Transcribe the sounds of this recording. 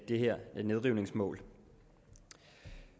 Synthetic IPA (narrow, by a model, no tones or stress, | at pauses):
d̥e̝ɦæɐ̰æne̝ð̞ˠʁiʊne̝ŋsmɔ̰̽ːl